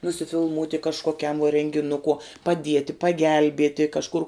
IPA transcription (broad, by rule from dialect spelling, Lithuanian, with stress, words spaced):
nʊsʲɪfʲɪlˠˈmuːtʲɪ kɐʃkoːˈkʲɛm ʋuɔ rʲɛŋʲɡʲɪˈnʊkuɔ pɐˈdʲiɛtʲɪ pɐˈɡʲɛlʲbʲiɛtʲɪ kɐʃˈkʊr